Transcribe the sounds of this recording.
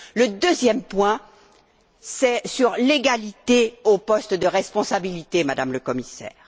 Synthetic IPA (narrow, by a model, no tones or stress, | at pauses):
ləd̪øzjɛmpwɛ̃ | sɛsyʁleɡalit̪eopɔst̪d̪əʁɛspɔ̃sabilit̪emad̪amləkɔmisɛ̰ːʁ